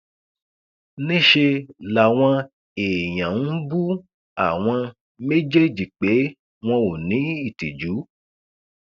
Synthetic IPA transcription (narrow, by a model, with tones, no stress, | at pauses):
nĩ˦ʃe˧la˨w̃ɔ̃˧ | e˨j̃ã˨n̩˦bu˦ | a̰˨w̃ɔ̃˧ | me˦d͡ʒe˦d͡ʒi˨k͡pe˨˦ | w̃ɔ̃˧o˨nĩ˨˦i˦˨ti˨d͡ʒu˨˦